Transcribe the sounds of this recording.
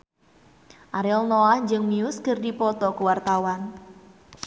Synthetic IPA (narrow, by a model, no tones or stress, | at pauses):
ʔaɾɛɔlnɔahd͡ʒɨŋmiuskɨrdipɔt̪ɔkuwart̪awan